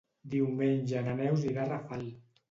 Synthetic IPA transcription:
d̪iwmenʲʒananɛwziɾarafal

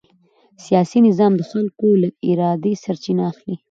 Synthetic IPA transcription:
sijɑsinɪzɑmd̪əxalkoləɡɪɾɑd̪esaɾt͡ʃinaːxli

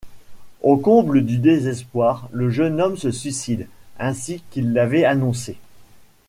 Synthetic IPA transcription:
okɔ̃bləd̪yd̪ezɛspwaʁləʒənɔmsəsɥisid̪ɛ̃sikilːavɛanɔ̃se

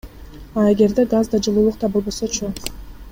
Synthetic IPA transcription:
ɑe̞ɡe̞ɾd̪e̞ɡazd̪ɑd͡ʒɯlˠuːlˠuqt̪ɑbo̞lˠbo̞sot͡ʃʰo

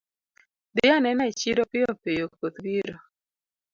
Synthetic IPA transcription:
dɪjanɛnait͡ʃiɾopɪopejokkot̪wiɾo

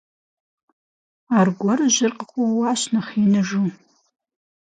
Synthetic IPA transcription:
arɡʷɔrɨʒɪrqʼəqʷʊwaʃnɐχinɨʒu

